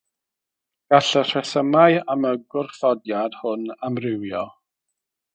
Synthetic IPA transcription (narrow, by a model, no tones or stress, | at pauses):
ɡ̥aɬər̥ɛθəmaɨaməɡwʊrθɔdjad̥hʊnamrɪwjɔ